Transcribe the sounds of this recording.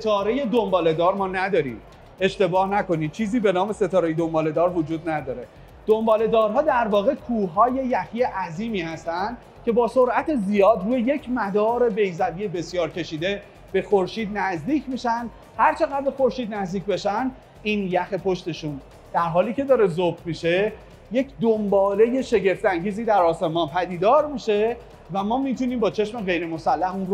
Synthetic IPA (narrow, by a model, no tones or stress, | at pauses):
set̪ʰɒːɾe̞je̞d̪ombɒːle̞d̪ɒːɾmɒːnæd̪ɒːɾḭːm | e̞ʃt̪e̞bɒːhnæko̞niːt͡ʃʰiːziːbe̞nɒːme̞se̞t̪ʰɒːɾejed̪ombɒːle̞d̪ɒːɾvod͡ʒuːd̪næd̪ɒːɾe̞ | d̪̥ombɒːle̞d̪ɒːɾɦɒːd̪æɾvɒːɣe̞kʰuːɦɒːje̞jæxije̞ʔæziːmiːhæst̪ænd̪̥ | cʰe̞bɒːso̞ɾʔæt̪ʰezijɒːd̪ɾuːjeje̞cʰmæd̪ɒːɾe̞be̞jzæbije̞be̞sjɒːɾcʰe̞ʃiːd̪e̞ | b̥e̞xoɾʃiːd̪næzd̪iːcʰmiʃænd̪ | hæɾt͡ʃʰe̞ɣæd̪̚be̞xoɾʃiːd̪næzd̪iːc̚ʰbe̞ʃænd̪ | iːnjæxepʰo̞ʃt̪e̞ʃuːn | d̪̥æɾɦɒːliːce̞d̪ɒːɾe̞zobmiʃe̞ | je̞cʰd̪ombɒːle̞je̞ʃe̞ɟe̞ft̪æŋɟiːziːd̪æɾɒːse̞mɒːnpʰæd̪iːd̪ɒːɾmiʃe̞ | væmɒːmit̪ʰuniːmbɒːt͡ʃʰe̞ʃme̞ɣe̞jɾe̞mo̞sælːæhunro